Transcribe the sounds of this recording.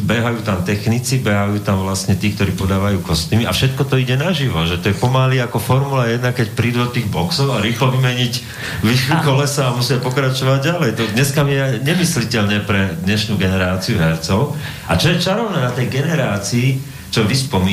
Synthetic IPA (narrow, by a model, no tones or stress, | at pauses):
bɛɦajuːt̪amt̪ɛxnit͡sibɛɦajuːt̪amʋlasɲɛt̪iːk̚t̪ɔɾiːpɔd̪aːʋajuːkɔst̪imia̰fʃɛt̪kɔt̪ɔiɟɛnaʒiʋɔʒɛt̪ɔjɛpɔmaliakɔfɔɾmulajɛd̪nakɛcpɾiːd̪ud̪ɔt̪iːɣbɔksɔʊaɾiːxlɔʋimɛɲic | ʋixukɔlɛsaːmusɪapɔkɾat͡ʃɔʋaɟɟalɛjt̪ɔd̪ɲɛskamiɛɲɛmislicɛʎɲɛpɾɛd̪ɲɛʃnuːɡɛnɛɾaːt͡siuɦɛɾt͡sɔʊ | at͡ʃɔjɛt͡ʃaɾɔʊnɛːnat̪ɛjɡɛnɛɾaːt͡siː | t͡ʃɔʋispɔmiː